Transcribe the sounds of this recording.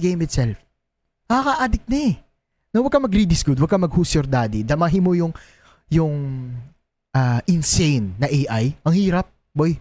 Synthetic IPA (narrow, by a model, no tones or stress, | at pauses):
ɡejmɪt̪sɛlf | ɐɐkɐʔaːd̪ɪk̚nɛ | nɐwɐɡ̚kɐmɐɡɾid̪ɪsɡud̪wɐɡ̚kɐmɐɡ̚husoɾd̪aːd̪id̪ɐmaɦimojʊŋ | jʊŋ | ʔaʔɪnsejnːɐʔejʔajʔɐŋhiːɾɐp̚ | boj